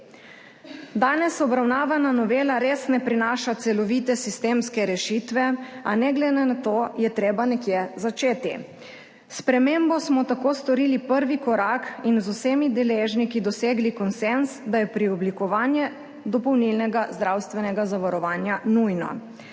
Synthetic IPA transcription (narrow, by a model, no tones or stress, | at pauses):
d̪aːnɛsɔbɾawnaːʋananɔʋeːlaɾesnɛpɾinaːʃat̪sɛlɔʋiːt̪ɛsist̪eːmskɛɾɛʃit̪ʋɛanɛɡlɛnɛnat̪oːjɛt̪ɾeːbanɛkjɛzat͡ʃeːt̪i | spɾɛmembɔsmɔt̪akoːst̪ɔɾiːlipəɾʋikɔɾaːkinzuseːmid̪ɛleːʒnikid̪ɔseːɡlikɔnsensd̪ajɛpɾiɔblikɔʋaːnjɛ | d̪ɔpɔwnilnɛɡazd̪ɾawst̪ʋɛnɛɡazaʋaɾɔʋaːnjanujnɔ̰